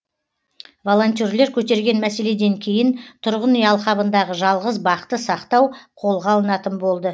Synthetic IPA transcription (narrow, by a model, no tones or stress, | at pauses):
vo̞lˠo̞nʲt̪̬ʲoɾle̞ɾkʲʰɵt̪e̞ɾɡʲe̞nmæse̞le̞d̪e̞ŋkʲʰe̞jɪnt̪ʰʊɾʁənijɑlˠχɑbənd̪ɑʁəʒɑlˠʁəzbɑqt̪əsɑqt̪ɑwqʰo̞lˠʁɑlˠənɑt̪ənbo̞lˠd̪ə